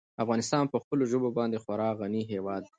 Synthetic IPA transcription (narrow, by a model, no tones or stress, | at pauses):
afɣɑnɪst̪ɑnpəxpəloʒobobɑnd̪exwaɾɑɣaniɦewɑd̪